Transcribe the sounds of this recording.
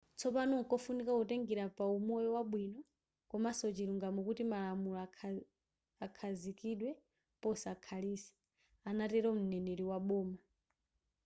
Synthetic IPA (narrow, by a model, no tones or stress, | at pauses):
t͡sʰɔpanɔŋ̩kɔfunikauteŋɡiɾapaumɔjɔwaɓwinɔ | kɔmasɔt͡ʃiɾuŋɡamukutimalamula | akʰazikiɗwɛ | pɔsakʰaliːsɛ̥ | anatɛɾɔm̩nɛneɾiwaɓɔːma